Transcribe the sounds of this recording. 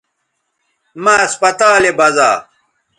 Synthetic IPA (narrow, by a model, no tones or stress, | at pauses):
maɐspɐt̪aːlebɐzaː